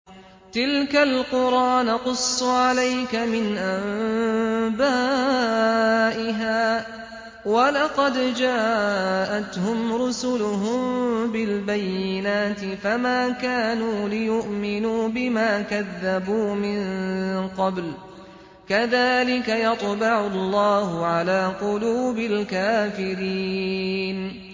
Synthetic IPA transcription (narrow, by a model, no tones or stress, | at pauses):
t̪ɪlkalqʊɾʔɑːnaqʊsˤːʕalajkamɪnʔam | baː | ʔɪɦaː | wɑlɑqɑd̪d͡ʒaːʔat̪hʊmɾʊsʊlʊɦʊmbɪlbajːɪnaːt̪ɪfamaːkaːnuːlɪjʊʔmɪnuːbɪmaːkaðːabuːmɪnqɑbl | kaðaːlɪkajɑt̪ˤbɑʕʊlːɑːhʊʕalaːqʊluːbɪlkaːfɪɾiːn